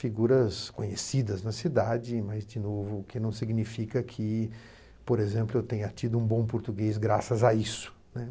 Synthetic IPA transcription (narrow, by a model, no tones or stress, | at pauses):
fiɡuɾɐskõɲesid̪ɐznɐsid̪ad͡ʒɪmɐzd͡ʒɪnovʊːkɪnɐ̃w̃siɡnifikɐkʰɪ | poɾezẽmplʊewt̪ẽɲʊɐt͡ʃid̪ʊũbõw̃poɾt̪uɡezɡɾasɐzaisʊ̥ | nɛ